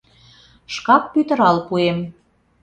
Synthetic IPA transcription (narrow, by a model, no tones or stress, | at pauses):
ʃkɑk̚pyt̪ə̆ɾɑlpuem